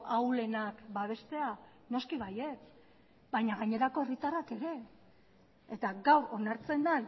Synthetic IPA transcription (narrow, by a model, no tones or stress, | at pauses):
ʔawle̞nakbaβ̞e̞st̪e̞a | no̞skiβaje̞s | baɲaɣaɲe̞ɾako̞e̞rit̪arake̞ɾe̞ | et̪aɡawɾo̞naɾt͡se̞nd̪an